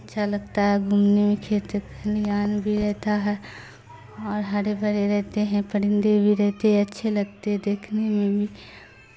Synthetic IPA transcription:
ɐtːʃʰalɐɡ̚t̪aɦɛɡʱuːmnemẽkʰeːt̪knijaːnbʱiɾɛɦt̪aɦɛ | ɔːɾɦaːɽebʱɐɾeɾɛɦt̪eɦɛ̃pɐɽ̤ɪ̃nd̪ebʱiɾɛɦt̪eɦɛɐtːʃʰelɐɡt̪eɦɛ̃d̪eːkʰnemẽbʱi

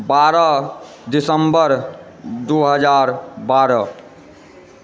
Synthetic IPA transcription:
baɾə | d̪isəmbəɾ | d̪uɦəd͡ʒaɾbaɾə

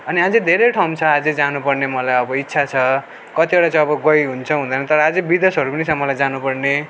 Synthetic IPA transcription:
ʌniɦad͡zed̪ʱeɾeʈʰawmt͡sʰʌad͡zed͡zanupʌrnemʌlajʌbʌitːsʰat͡sʰʌ | kʌt̪ieʈat͡sʌj̃ʌbʌɡʌjɦunt͡sʰʌɦũnd̪ʌnʌt̪ʌɾʌad͡zebid̪esʌɾupʌnit͡sʰʌmʌlajd͡zanupʌrne

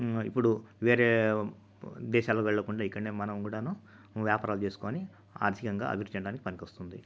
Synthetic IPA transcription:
ipːuɽuʋeːɾe̞ː | d̪ɛːʃaːlokʋɛɭːɐkuɳɖaːikːɐɽneːmɐnɐmkuːɽaːnu | ʋjaːpaːɾaːlut͡ʃe̞ːsu̥koːni | a̰ːɾt̪ʰikɐŋɡa̰ːɐ̰bʱiɾud̪ʰt͡ʃɐɽaːnikipɐnikʋɐst̪und̪i

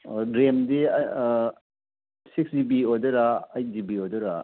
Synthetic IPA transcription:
dɾemdi | siksdibiodɐɾaɐjt̚dibiodɐɾa

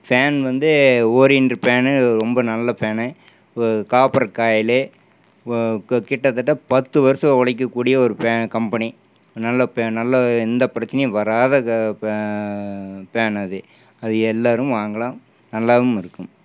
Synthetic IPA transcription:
paːnʋɐnd̪ɯoːɾɪndɯpeːnɯɾɔmbɐnɐlːɐpeːnɛ | kaːpɐɾɐkaːjɪle | kɪʈːɐt̪ːɐʈːɐpɐt̪ːɯʋɐɾɐsɐɔɭɐɪk̬ːɐkːuːɽɪjɐɔɾɯpeːkɐmpɐni | nɐlːɐpnɐlːɐɪnd̪ɐpɪɾɐt͡ʃːɐnɛjʋɐɾaːðɐ | peːnɐðɯ | ɐðɯɛlːaːɾɯmʋaːŋɡɐɭãː | nɐlːaːʋɯmɪɾɯkːɯm

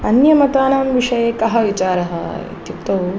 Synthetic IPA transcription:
ɐnjɐmɐt̪aːnaːmʋiʂɐjeːkɐɦɐʋit͡ʃaːɾɐɦɐ̰ḭt̪ipt̪ɐ

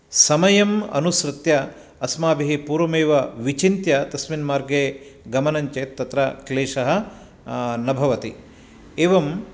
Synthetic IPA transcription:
sɐmɐjɐmɐ̰nusɾɨt̪jɐ | ɐsmaːbiɦipuːɾʋɐmeːʋɐʋit͡ʃint̪jɐt̪ɐsminmaːɾɡeːɡɐmɐnɐɲt͡ʃeːt̪t̪ːɐt̪ɾɐkleːʂɐɦɐ̆ | nɐbʱɐʋɐt̪i | eːʋɐm

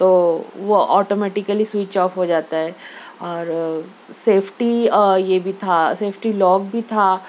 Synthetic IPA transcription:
t̪oːʋoʔɔːʈomɛːʈɪkəliswit͡ʃɔːpɦod͡ʒaːt̪aɦɛː | ɔːɾ | seːpʰʈijebʱit̪ʰaseːpʰʈilɔːkbʱit̪ʰa

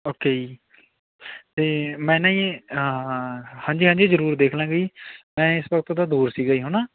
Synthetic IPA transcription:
oːkeːi | t̪eːmɛ̃ːnãːĩː | hãːɲd͡ʒiːɦãːɲd͡ʒiːzəɾuːɾd̪eːkʰlãːɡəiːmɛ̃ːɪsʋəkt̪ːd̪aːd̪uːɾsiːɡaiːɦʊnaː

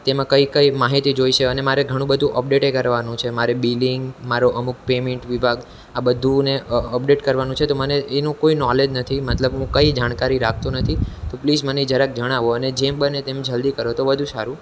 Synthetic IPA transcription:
t̪emãkəikəimaɦit̪id͡ʒoiʃeənemaɾeɡʱəɽ̃ũbəd̪ʱũʔəp̚ɖeʈekəɾʋanũt͡ʃʰemaɾebiliŋɡmaɾoʔəmuk̚pemeɳʈʋibʱaɡ | abəd̪ʱũneəpɖeʈkəɾʋanũt͡ʃʰet̪oməneenũkoinɔled͡ʒnət̪ʰimət̪ləbɦũkəid͡ʒaɽ̃kaɾiɾak̚ʰt̪unət̪ʰit̪opliːd͡ʒmənid͡ʒəɾək̚d͡ʒəɽ̃aʋoəned͡ʒemɓənet̪emd͡ʒəld̪ikəɾot̪oʋəd̪ʱũsaɾũ

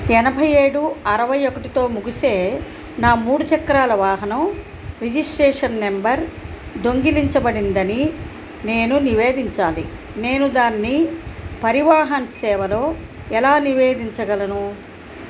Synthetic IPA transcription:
ɛnɐbʱɐje̞ːɽuɐɾɐʋɐjokɐʈit̪o̞ːmuɡise̞ː | naːmuːɽut͡ʃɐkːɾaːlɐʋaːɦɐnɐm | ɾid͡ʒisʈɾeːʂɐnmembɐɾ | d̪oŋɡiliɲt͡ʃɐbɐɽind̪ɐni | ne̞ːnuniʋe̞ːd̪iɲt͡ʃaːlḭ | ne̞ːnud̪aːnːipɐɾiʋaːɦɐnɐsɛːʋɐlo̞ː | ɛlaːniʋe̞ːd̪iɲt͡ʃɐɡɐlɐnu

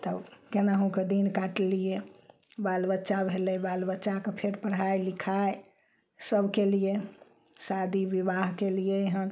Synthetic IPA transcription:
t̪əkenaɦũked̪inkaʈlije | balbətːʃabʱelɛbalbətːʃakepʰeɾpəɽ̤ɦajlikʰae | səbʱkelije | sad̪ʱibibaɦkelijeeɦən

